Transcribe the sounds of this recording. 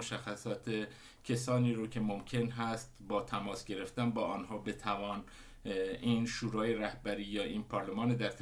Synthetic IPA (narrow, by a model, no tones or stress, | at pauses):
oʃæxːæsɒːt̪ʰe | cʰesɒːniːɾoːcʰe̞momcʰe̞nɦæst̪bɒːt̪ʰæmɒːsɡe̞ɾe̞ft̪ænbɒːʔɒːnɦɒːbe̞t̪ʰævɒːn | ʔiːnʃuːɾɒːjeɾæhbæɾiːjɒːʔiːnpʰɒːɾlemɒːned̪æɾt̪ʰ